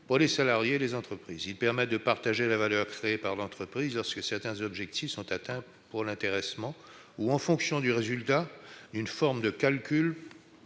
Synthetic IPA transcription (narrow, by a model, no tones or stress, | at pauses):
puʁlesalaʁjelezɑ̃t̪χəpχiːzilpɛʁmɛt̪̚d̪əpaʁt̪aʒelavalœʁkχeːpaʁlɑ̃t̪χəpχizlɔʁskəsɛʁt̪ɛ̃zɔbʒɛkt̪ifsɔ̃t̪at̪ɛ̃ | puʁlɛ̃t̪eʁɛsmɑ̃ | uɑ̃fɔ̃ksjɔ̃d̪yʁezylt̪ad̪ynfɔʁmd̪əkʲalkʲyl